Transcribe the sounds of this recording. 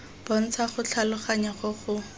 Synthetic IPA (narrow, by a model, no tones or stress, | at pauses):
b̥ɔn̩t͡sʰaχʊt͡ɬʰalʊχaɲaχʊχʊ